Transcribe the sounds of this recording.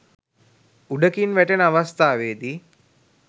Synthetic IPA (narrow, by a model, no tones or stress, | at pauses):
uɖəkinʋæʈenəaʋast̪aːʋeːd̪i